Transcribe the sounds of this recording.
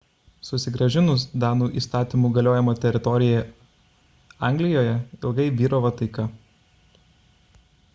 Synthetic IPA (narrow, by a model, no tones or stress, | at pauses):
sʊsʲɪɡɾɐʒʲɪnʊsd̪ɑːnuːʔiːst̪ɑːt̪ʲiːˑmuːɡɐlʲoːjɛmoːt̪ʲɛɾʲɪt̪ɔɾʲɪjɛ | ɑˑŋʲɡlʲɪjoːjɛɪlˠɡɐɪʋʲiːɾoːʋɐt̪ɐɪkɐ